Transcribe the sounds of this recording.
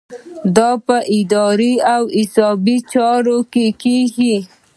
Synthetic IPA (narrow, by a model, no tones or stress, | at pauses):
d̪ɑpəʔɪd̪ɑɾiawɪsɑbit͡ʃɑɾokekeɡi